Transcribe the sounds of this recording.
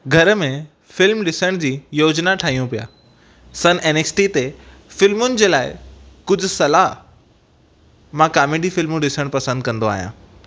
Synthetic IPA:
ɡʱɐɾəmẽ | fɪlmɗɪsəɽ̃d͡ʑiːjoːd͡ʑnaʈʰaːɦijũpija̰ː | sɐneːneːsʈit̪e | fɪlmʊnɪ̆d͡ʑeːlaːɪkʊd͡ʑʱʊ̆sɐlaɦ | mãkaːmeːɖifɪlmũɗɪsəɽ̃pɐsə̃nd̪̚kɐ̃nd̪oaːɦijã̰ː

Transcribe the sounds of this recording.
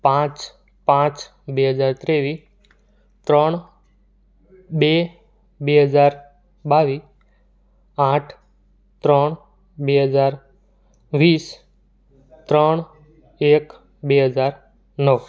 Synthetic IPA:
pãt͡ʃ | pãt͡ʃ | beɦəd͡ʒaːɾt̪ɾeːʋiː | t̪ɾəɳ̃ | be | beːɦəd͡ʒaːɾ | baːʋiː | aːʈʰ | t̪ɾəɳ̃ | beɦəd͡zaːɾ | ʋiːs | t̪ɾəɳ̃ | eːk | beɦəd͡ʒaːɾ | nəʋ

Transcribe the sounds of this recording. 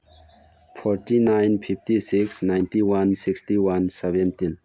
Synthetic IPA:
pʰɔɾʈinajnpʰipʰtisiksnajntiwansikstiwansɛbɛ̃ntin

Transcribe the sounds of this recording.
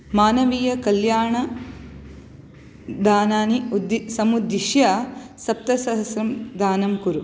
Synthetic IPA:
maːnɐʋiːjɐkɐljaːɳɐ | d̪ʱaːnaːnid̪sɐmud̪ːiʃjaːsɐp̚t̪ɐsɐɦɐsɾɐmd̪aːnɐmkuɾu

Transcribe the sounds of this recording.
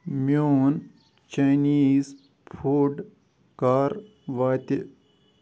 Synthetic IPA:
mjon | t͡ʃajniz | pʰuɖ | kaːɾ | ʋaːt̪e

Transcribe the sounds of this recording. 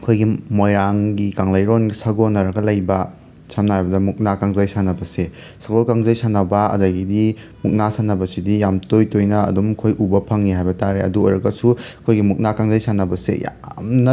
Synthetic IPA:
kʰojɡimojɾaŋɡikaŋlɐjɾonɡisɐɡonɐɾɐɡɐlɐjbɐ | samnahajbɐdɐmuk̚nakaŋzɐjsanɐbɐse | saɡokaŋzɐjsanɐbɐɐ̰dɐɡidi | muk̚nasanɐbɐsidijamtojtojnɐɐ̰dumkʰojʔubɐpʰɐŋniɦajbɐtaɾeɐ̰duojɾɐɡɐsukʰojɡimuk̚nakaŋzɐjsanɐbɐsḛja̰mnɐ

